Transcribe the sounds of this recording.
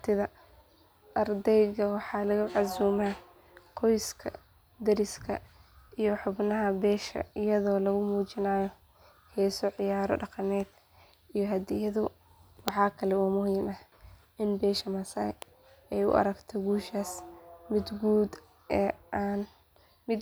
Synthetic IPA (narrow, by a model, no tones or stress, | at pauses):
t̪ʰɪðɐ | ʔɐrd̪ɛjɣɐwɑħɑːlɐɣɐʕɑsuːma | qʰɔjskʰɐ̰ | d̪ɐɾɪskʰɐ̰ʔijɔħʊbnɐɦɐbɛːʃɐ̰ɪjɐðɔːlɐɣʊmuːt͡ʃɪnaːjɔ | hɛːsɔʕɪjaːɾɔ̰ɖɑqɑnɛːd̪ | ijɔɦɐd̪ɪjɐðʊ | wɑħɑːkʰɐlɛuːmʊɦiːmɐh | ʔɪnbɛːʃɐmɐsɐj | ɛjʊ̰ʔɐ̰ɾɐɡt̪ʰɛɡuːʃaːsmɪd̪ɡuːd̪ | ɛːan | mɪ